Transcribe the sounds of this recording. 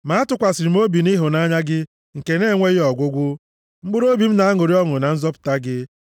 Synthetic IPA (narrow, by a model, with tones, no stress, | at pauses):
ma˨˦a˦tʊ˨kʷa˨sɪ˨ɾi˨m̩˦o˦bi˨ni˦ɦʊ˨na˦ɲa˦ɡɪ˦ | ŋ̩˨ke˨ne˦˨ŋʷe˦jɪ˦ɔ˨ɡʷʊ˦ɡʷʊ˦ | ŋ͡m̩˦ɡ͡bʊ˦ɾo˦bi˨m̩˦na˨a˦ŋʊ˨ɾi˦ɔ˦ŋʊ˨na˨n̩˦zɔ˦pʊ̥˨ta˦ɡɪ˦